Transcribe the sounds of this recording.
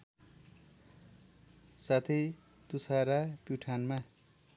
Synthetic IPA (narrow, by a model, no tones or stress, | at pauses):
sat̪ʰe | t̪usaɾapjuʈʰanma